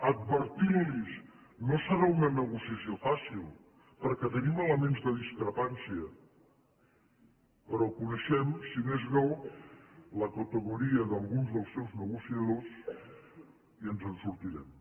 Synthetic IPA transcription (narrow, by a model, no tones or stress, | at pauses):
əd̪̚βəɾt̪iɾliz | nosəɾaunənəɣusiəsjofasilˠ | pəɾkɛt̪ənimələmenzðəðiskɾəpansiə | pəɾɔkunəʃɛmsinezɣɔw | ləkət̪əɣuɾiəðəlˠɣunzðəlˠsːɛwznəɣusiəðos | iənzənsuɾt̪iɾɛm